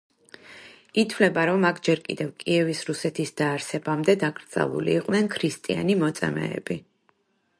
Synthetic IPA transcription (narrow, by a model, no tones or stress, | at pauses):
it̪ʰvlɛbaɾɔmakʰd͡ʒɛɾkʼḭd̪ɛvkʼiɛvisɾusɛt̪ʰisd̪̥aːɾsɛbamd̪ɛd̪akʼɾd̪z̥a̰lˠṵlḭːqʼnɛnkʰɾist̪ʼia̰nimɔt̪sʼɛ̰mɛ̰ːb̥i